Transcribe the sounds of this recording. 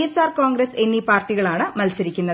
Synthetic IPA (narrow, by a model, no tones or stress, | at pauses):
esaːrkoːŋɡɾɐse̞nːipaːrʈːiɣɐɭaːɳɨmɐlsɐɾikʲːunːɐð